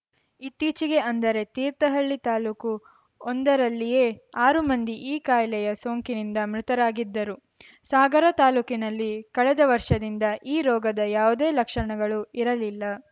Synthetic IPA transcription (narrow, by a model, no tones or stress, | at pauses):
it̪ːiːt͡ʃiɡe̞ɐnd̪ɐɾe̞t̪iːɾt̪ɐɦɐɭːit̪aːluːku | ond̪ɐɾɐlːije̞ːaːɾumɐnd̪iʔiːkaːjlɛjɐsoːŋkinind̪ɐmɾut̪ɐɾaːɡid̪ːɐɾu | saːɡɐɾɐt̪aːluːkinɐlːikɐɭɛd̪ɐʋɐɾʂɐd̪ind̪ɐʔiːɾɔːɡɐd̪ɐjaːʋud̪e̞ːlɐkʂɐɳɐɡɐɭuiɾɐlilːɐ